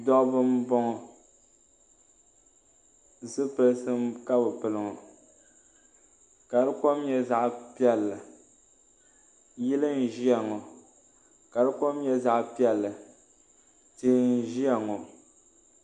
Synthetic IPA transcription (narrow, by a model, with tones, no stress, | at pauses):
dɔ˦ʔbɨ˦m˦bɔ˦ŋɔ˨ | zɨ˦pɨ˨lsɨ˦m˦ka˦bɨ˨pɨ˨lɨ˨ŋɔ˨ | ka˨dɨ˦kɔ˦mjɛ˦za˦ʔpi˦ɛ˦lːa˨ | ji˦lɨ˦n̩˦˨ʒi˦a˨ŋɔ˨ | ka˨dɨ˦ko˦m˦jɛ˦za˨ʔpi˦ɛ˦lːɨ˨ | ti˦n̩˦ʒi˦a˨ŋɔ˨